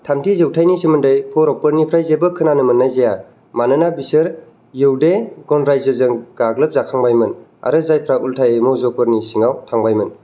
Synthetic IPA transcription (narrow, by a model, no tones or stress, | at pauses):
tʰamtʰizewtʰajnisimɯndɯjpʰɔɾɔpɯɾnipʰɾajzebɯkʰɯnanɯmɯnːajzeja | manɯnabisɯɾ | jɯwdeɡɔnɾajzɯzɯŋɡ̥aɡlɯp̚zakʰaŋbajmɯna̰ɾɯzajpʰɾaʔultʰajemɔzɔkpɯɾnisiŋawtʰaŋbajmɯn